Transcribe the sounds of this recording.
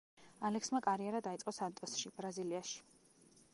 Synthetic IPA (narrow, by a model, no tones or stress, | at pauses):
alɛksmakʼaɾiɛɾad̪ait̪sʼqʼɔsant̪ʼɔsʃib̥ɾaziliaʃi̥